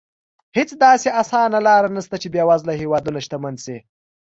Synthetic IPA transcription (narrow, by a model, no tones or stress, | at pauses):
hɪt͡sd̪ɑseasɑnalɑɾanast̪at͡ʃebjɑwazlaɦewɑd̪unaʃt̪amanse